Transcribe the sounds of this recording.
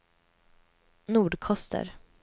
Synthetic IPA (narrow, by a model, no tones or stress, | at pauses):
nuːɖkʰɔst̪ʰə̰ɾ